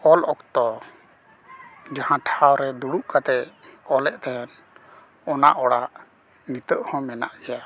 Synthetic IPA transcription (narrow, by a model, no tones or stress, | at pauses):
ɔlɔkt̪ɔ | d͡ʒahãʈʰawɾɛd̪uɽuʔkat̪ɛɔlɛʔt̪ɛɛn | ɔna̰ʔɔɽaʔ | nit̪əʔhɔ̃mɛna̰ʔɡɛja